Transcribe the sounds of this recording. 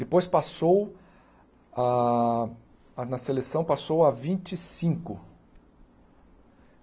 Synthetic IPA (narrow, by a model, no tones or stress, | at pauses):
d̪̥ɪpojspasow | a | nɐselesɐ̃w̃pasowavĩnt͡ʃɪsĩŋkʊ̰